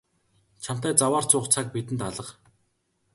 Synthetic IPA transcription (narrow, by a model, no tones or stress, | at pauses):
t͡ɕʰam̥t̪æːt͡sawaːr̥t͡sʊːχt͡sʰak̚pit̪ɘ̆nt̪aɮə̆q